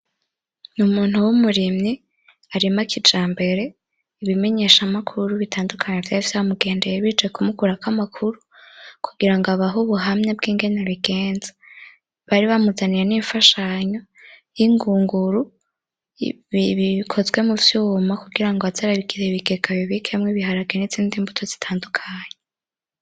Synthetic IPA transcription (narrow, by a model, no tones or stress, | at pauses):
numuːn̥huwumuɾimɲi | aɾimakʰid͡ʒaːmbe̞ɾe̞ | iβime̞ɲe̞ʃamakʰuɾuβitʰaːndukʰaɲevjafisahamuɡe̞ːndejeβit͡ʃekumukuɾakamakʰuɾukʰu̥ɡiɾaŋɡaβaɦuβuɦamɲebɡiːŋɡe̞neɾiɡe̞ːnza | βaɾiβamuzanijeniɱfaʃaɲo̞ | jiŋɡuːŋɡuɾu | iβikʰo̞zɡwe̞muvjumakuɡiɾaŋɡoazaɾaβiɡiɾeβiɡekaβjoβikʰemŋiβiɦaɾaɡeniziːndimbutʰoz̥i̥tʰaːndukʰaːɲe